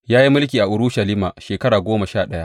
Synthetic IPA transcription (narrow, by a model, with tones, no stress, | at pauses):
jaː˦ji˦mʊ˦lk̬ʲiː˨ʔa˨ʔʊ˨ɾʊ˦ʃɐ˨liː˦maː˨ʃeː˨kɐ˦ɽaː˨ɡʷoː˦mɐ˨ʃaː˦˨ɗɐ˦ja˦ʔ